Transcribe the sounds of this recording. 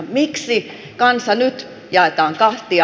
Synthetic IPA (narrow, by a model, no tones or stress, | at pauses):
miksi | kɑnsɑnyt̪ | jɑet̪ɑːŋkɑht̪i